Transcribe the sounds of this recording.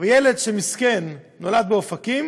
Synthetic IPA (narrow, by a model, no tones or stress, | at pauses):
vejele̞d̪ʃemiskenː | o̞lad̪̚beofakim